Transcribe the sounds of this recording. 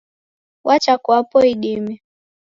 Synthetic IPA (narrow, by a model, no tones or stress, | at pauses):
wʔat͡ʃakwapɔiɗimɛ